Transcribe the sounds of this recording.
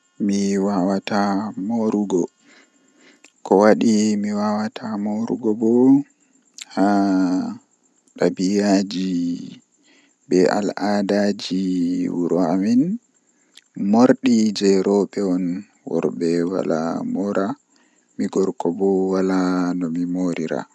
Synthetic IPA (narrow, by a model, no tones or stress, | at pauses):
miwawatamoɾuɡɔ | kɔwaɗimiwawatʰamoɾṵɡɔbɔ | ha | ɗabijad͡ʒi | bɛa̰ladad͡ʒiwuɾɔamin | moɾɗid͡ʒɛɾɔɓɛɔn | wɔ̰ɾbɛwa̰la̰mɔɾʔa | miɡɔɾkɔbɔwalanɔmimoɾiɾa̰